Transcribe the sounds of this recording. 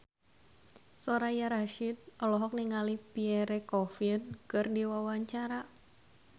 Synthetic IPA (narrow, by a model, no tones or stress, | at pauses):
sɔɾajaɾaʃid̚ɔlɔɦɔk̚niŋalipiɛɾɛkɔfinkɨrdiwawaɲt͡ʃaɾa